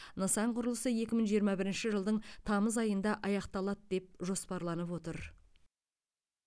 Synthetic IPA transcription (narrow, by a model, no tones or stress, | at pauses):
nəsɑɴqʰʊɾəlˠəsəje̞kʲɪməɴʒijəɾmɑbɪɾɪnʃɪʒəlˠd̪əɴt̪ʰɑməzɑjənd̪ɑʔɑjɑqt̪ɑlˠɑt̪d̪̥e̞p̚ʒo̞spɑɾlˠɑnəpwo̞t̪əɾ